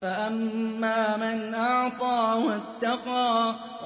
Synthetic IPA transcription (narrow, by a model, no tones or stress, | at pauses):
faʔamːaːmanʔɑʕt̪ˤɑːwat̪ːɑqɑː